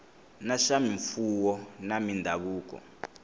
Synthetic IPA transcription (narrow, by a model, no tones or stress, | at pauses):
naʃamiɱfuwɔnamindʱaɓuːk̬ɔ̰